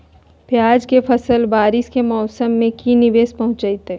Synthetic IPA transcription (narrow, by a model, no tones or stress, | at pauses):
pjaːd͡ʒkefɐsəlbaːɾɪskemɔːsəmːẽkinɪʋeːspɐɦʊ̃t͡ʃait̪eː